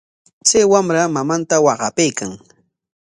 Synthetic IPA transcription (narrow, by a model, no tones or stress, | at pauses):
t͡sajwamɾamamant̪awɑɢɑpejkaŋ